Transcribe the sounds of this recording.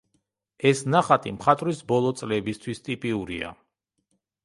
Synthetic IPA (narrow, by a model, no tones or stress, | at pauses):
ɛsnaχat̪ʼimχat̪ʼɾisbɔlˠɔt̪sʼlɛbist̪ʰwist̪ʼipʼiuɾia̰